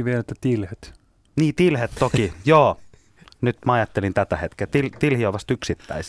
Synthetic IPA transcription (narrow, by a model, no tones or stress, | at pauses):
ʋielet̪ːæt̪ilhet̪ | niːt̪ilhet̪tokijoː | nyt̪mɑɑjɑt̪ːelint̪æt̪æhet̪ket̪ilt̪ilhioʋɑst̪yksit̪ːæ̰is